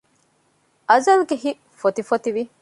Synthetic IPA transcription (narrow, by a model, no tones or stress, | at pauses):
ʔɐzɐlɡeɦiʔ | fot̪ifot̪iʋi